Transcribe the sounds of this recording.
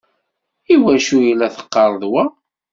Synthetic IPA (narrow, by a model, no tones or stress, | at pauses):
iwæʃujilːæθə̥qːɑɾˤðwæ